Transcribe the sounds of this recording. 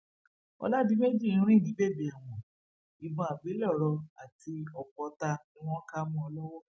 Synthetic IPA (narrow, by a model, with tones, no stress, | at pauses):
ɔ̰˧la˦di˦me˦d͡ʒĩ˦˨˧ĩ˦ɾ̃ĩ˦˨nĩ˨˦be˦˨bi˨a˨w̃ɔ̃˨ | i˨bɔ̃˧a˨ɡ͡be˨˦lɔ˦˨˦ɾɔ˧a˨tʰi˧ɔ˨kɔ˧ta˧nĩ˦w̃ɔ̃˦ka˦mɔ̃˦ɔ˧lɔ˦wɔ˦